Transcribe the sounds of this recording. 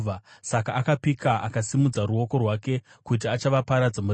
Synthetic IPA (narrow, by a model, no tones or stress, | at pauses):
asakaʔːkapikaʔakasimud͡zaruo̞ko̞rwaːke̞ | kut̬iat͡ʃaʋapaɾad͡zamur